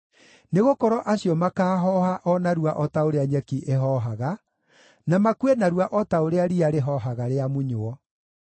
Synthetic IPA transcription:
neɣokɔɾɔʔaɕiɔmakaːɦɔhaʔɔnaɾuaʔɔtaoɾeaɲɛkiʔeɦɔɦaɣa | namakuenaɾwaʔɔtaoɾeaɾiaɾeɦɔɦaɣaɾeamuɲoɔ

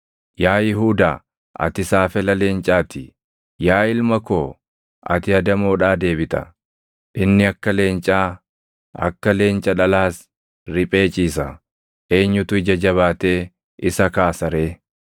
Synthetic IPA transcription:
jaːjɪɦuːd̪aː | ʔɐ̰t̪ɪsaːfɛlɐle̞ːnt͡ʃʼaːt̪ʰɪ | jaːɪlmɐkoː | ʔɐ̰t̪ɪɐd̪ɐmoːᶑaːd̪e̞ːbɪt̪ɐ̰ | ʔɪnːɪɐkːɐle̞ːnt͡ʃʼaː | ɐ̰kːɐle̞ːnt͡ʃʼɐᶑɐlaːs | ɾɪpʼe̞ːt͡ʃʼiːs̬ɐ | ʔe̞ːɲːʊt̪ʊɪd͡ʒɐd͡ʒɐβaːt̪e̞ː | ɪsɐkaːsɐɾe̞ː

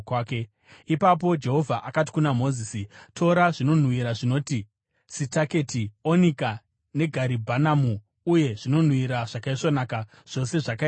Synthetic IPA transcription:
kːke | ipap̬o̞d͡ʒe̞ɦo̞vʱaʔakat̬i̥kunamo̞ziːsitʰo̞ɾaʐino̞n̤wiɾaʐino̞ti | sitake̞tionika | ne̞ɡʱaɾibʱanamuː | je̞ʐino̞n̤wiɾaʐ̥akaiʂonaka | ʐ̥o̞se̞ʐaka

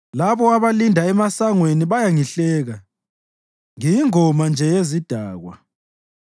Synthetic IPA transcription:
laβɔaβalindʱaɛmasaŋweniβajaŋiɬɛːɣa | ŋijiŋɔmand͡ʒʱɛjezid̥ʱaːɣwa̰

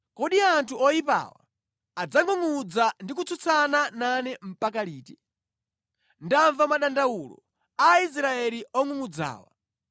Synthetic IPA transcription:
kɔɗiantʰuɔjipa̰ːwa̰ː | d͡zaŋuŋud͡zandik̬ut͡sut͡sʰanananɛm̩pakaliːtɛ | ndaɱvamaɗandaulɔ̰ | ais̬ɾaɛliɔŋuŋud͡za̰ːwa̰

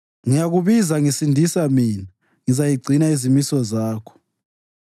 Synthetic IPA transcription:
ŋijaɣuβizaŋisindʱisamina | ŋizajiɡ͡ǀʱinaizimisɔzaːkʰɔ̥

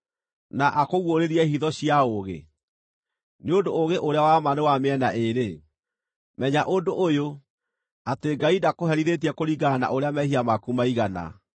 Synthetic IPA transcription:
naʔakoɣwoɾeɾiɛhiðɔɕijaoɣḛ | neodooɣeʔoɾeawamanewameɛnaʔeɾe | mɛɲaʔondoʔojo | ateɡaidakoɦɛɾiðet̬iɛkoɾiɡana̰ʔoɾeamɛhiamakumaiɣana̰

